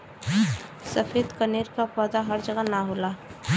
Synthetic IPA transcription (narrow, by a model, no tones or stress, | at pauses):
səfʰeːd̪kəneːɾkapəːd̪aɦəɾd͡ʒəɡənaɦoːla